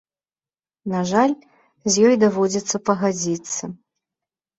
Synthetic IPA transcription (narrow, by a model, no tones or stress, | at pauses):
naʐalʲ | zʲjɔjd̪avɔd͡zʲit̪sːɐpɐɣad͡zʲit̪sːɐ